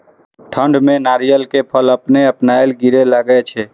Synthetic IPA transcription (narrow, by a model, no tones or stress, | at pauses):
ʈʰəɳɖmenaɾijəlkepʰələpneəpnajlɡiɾeləɡɛt͡ʃʰɛ